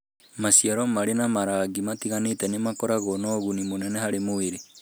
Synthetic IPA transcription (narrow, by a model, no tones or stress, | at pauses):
masiaɾɔmaɾenamaɾaɡimatiɣanetɛnemakɔɾaɣɔnɔɣunimonɛnɛhaɾemoeɾe